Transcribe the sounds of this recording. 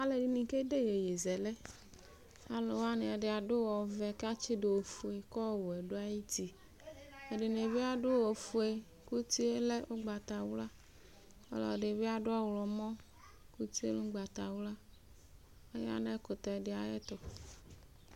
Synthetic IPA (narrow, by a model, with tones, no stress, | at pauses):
a˦le˨ɖi˦nĩ˨ke˦de˦je˨je˨zɛ˨lɛ˦ | a˦lɔ˨wa˦ne˨ɛ˨ɖɪ˨a˨ɖʊ˦wɔ˨vɛ˨ka˦t͡ʃi˦do˨wo˨fu˨e˨kɔ˦˨wo˨ɛ˨ɖo˦a˦ji˦t̪i˦ | e˦˨ɖɪ˨ne˨bi˦a˨ɖʊ˦wo˨fu˨e˨ | ku˦t̪i˦e˦le˦ʔo˦ɡ͡ba˨t̪a˨wu˦la˦ | ɔ̰˦lɔ̰˨ɖe˨ve˦a˨ɖʊ˦a˦wlɔ˨mɔ̃˦ | ku˦t̪i˦ḛ˦lũ˦ɡ͡ba˨t̪a˨wu˦la˦ | e˦ja̰˦nɛ˦kʊ˨t̪ɔ˨ɖɪ˨˦a˨jɛ˦t̪ɔ˨